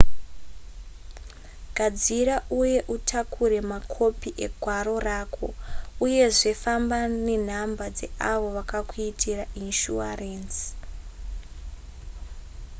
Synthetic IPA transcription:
ɡ̥ʱad͡ziɾaʔuje̞ʔutʰakuɾe̞makʰo̞piʔe̞̰ɡʱwaɾo̞raːkʰo̞̰uje̞ʐefambanen̤ambad͡zeaʋo̞ʋakakuitʰirainʃṵareːnsi̥

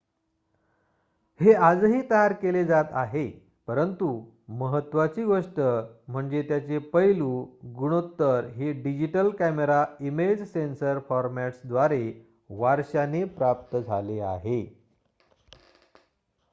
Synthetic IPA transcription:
head͡zɦiːt̪əjaɾkeled͡zat̪aɦe | pəɾənt̪u | məɦət̪ʋat͡siːɡoʂʈəm̤əɳd͡zet̪jat͡sepəjluːɡuɽ̃ot̪ːəɾɦeɖid͡ʑiʈəlkæmeɾaimed͡zsensəɾfɔɾmæʈsd̪ʋaɾe | ʋaɾɕanepɾap̚t̪əd͡zʱalea̰ɦe

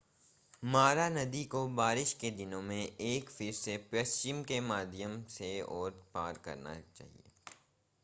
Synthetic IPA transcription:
maːɾanɐd̪ikobaːɾɪʃked̪ɪnõmẽeːkfɪɾsepɾɛst͡ʃɪmkemaːd̪ijəmseɔːɾpaːɾkɐ̰ɾna̰t͡ʃa̰ːɦḭḛː

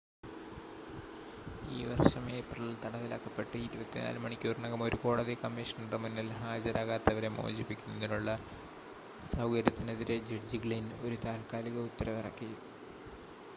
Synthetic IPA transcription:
iːʋɐrʂɐmeprɐɭilt̪ɐɽɐʋila̰ːkːɐpːe̞ʈːɨiɾubɐt̪ːina̰ːlumɐɳikʲːoɾuɳɐɡɐmo̞ɾuko̞ːɽɐðikɐmːiʂɐnrɨmunːilɦaːd͡ʑɐɾaːɣaːt̪ːɐʋɐɾemo̰ːd͡ʑipikʲːunːɐðiluɭːɐ | sɐwɡɐɾjɐt̪ːineðiɾed͡ʑeɖd͡ʑiɡɭino̞ɾut̪aːlkaːliɣɐut̪ːɐɾɐʋirɐkːi

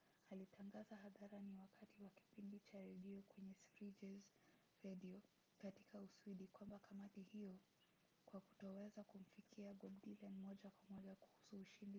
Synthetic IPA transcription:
alitʰaŋɡazaɦaðaɾaniwakatiwaki̥pindit͡ʃaɾɛɗiɔkwɛɲɛspɾid͡ʒɛz | ɾɛɗiɔ | katikausiɗikwambakamatihijɔ | kwaku̥tɔwɛzakum̩fikʰiaɡɔbdilanmɔʄakwamɔʄaku̥husuːʃindi

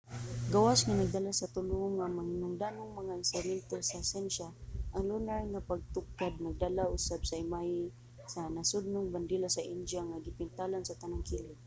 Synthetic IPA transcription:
ɡawasŋanaɡ̚d̪alasat̪ʊlʊʊŋːamaŋɪnʊŋd̪anʊŋmaŋaɪnst̪ɾmɛnt̪osasɛnʃaʔaŋlʊnarŋapaɡ̚t̪ʊkːad̪̚naɡ̚d̪alaʊsabsaɪmajɪ | sanasʊd̪̚nʊŋband̪ilasaʔɪnd͡ʒaŋaɡɪpɪnt̪alansat̪anaŋkilo

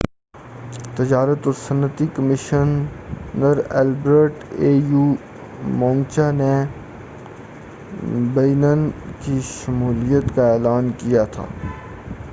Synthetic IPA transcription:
t̪ɪd͡ʒaːɾət̪ɔːɾsɐnət̪ikɐmɪʃənː | əɾɛːlbɾeːʈeːjuː | mõːŋɡt͡ʃane | bɐinənkiʃɐmuːlijət̪kaeːlaːnkijat̪ʰa̰ː

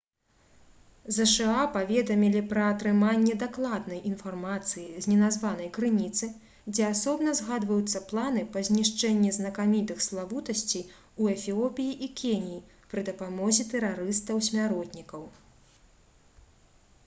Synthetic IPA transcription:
zɛʂɛapavʲɛd̪ɐmʲilʲipɾɐːt̪ɾɨmanʲːɛd̪aklˠad̪nɐjʔin̪farmat̪sɨjizʲnʲɛnazvanɐjkɾɨnʲit̪sɨ | d͡zʲɛasɔbnɐzɣad̪vɐjut̪sːɐplˠanɨpɐzʲnʲiʂt͡ʂɛnʲːɛznɐkamʲit̪ɨxslˠavut̪ɐsʲt͡sʲej | uɛfʲiɔpʲijiʔikʲɛnʲiji | pɾɨd̪ɐpamɔzʲit̪ɛɾaɾɨst̪ɐwsʲmʲaɾɔt̪ʲnʲikɐw

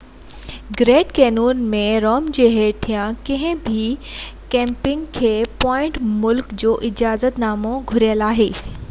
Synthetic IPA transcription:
ɡɾeːʈkɛːnuːnmẽɾɔːmd͡ʑeːɦeʈʰijãkɐ̃ɦɪ̃bʱikɛ̃ːmpɪ̃ŋɡkʰeːpɔːɪ̃ɳʈmʊlkd͡ʑoːʔɪd͡ʑaːzət̪naːmoɡʱʊɾjəlaːɦeː

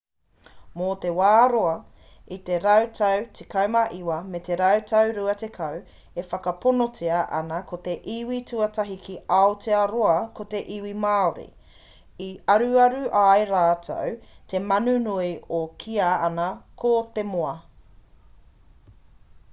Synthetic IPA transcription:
mot̪e̞waːɾoɐ | it̪eɾɐwtʰɐwt̪ʰekɐwmɐʔiwɐmet̪eɾɐwtʰɐwɾuɐt̪ekʰɐw | efɐkɐponot͡siɐʔɐ̰nɐkʰot̪e̞ʔiwitʉɐtɐɦikʰiaotʰeɐɾoɐkot̪e̞ʔiwimaːoɾḛ | iɐɾʉɐɾuʔaeɾaːtʰɐ̰wt̪ʰe̞mɐnunuiokʰiaːnɐkʰot̪emoɐ

